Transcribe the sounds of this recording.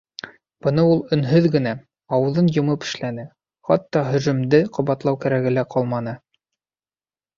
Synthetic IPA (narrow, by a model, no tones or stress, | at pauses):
b̥ɤ̆nɤulˠɵ̆nɦɵðɡɘ̆næ | ɑwɤ̆ðɤnjŏmɤpɘ̥̆ʃlænɘ | χɑt̪ːɑɦɵ̆ʒɵ̆md̪ɘqʰŏβɑt̪lˠɑwkæɾæɡɘ̆læqʰɑlˠmɑnɤ